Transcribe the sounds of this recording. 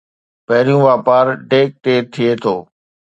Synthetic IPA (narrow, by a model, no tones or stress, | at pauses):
pɐɦɪɾijũʋaːpaːɾʈeːk̚ʈeːɾt̪ʰiet̪ʰoː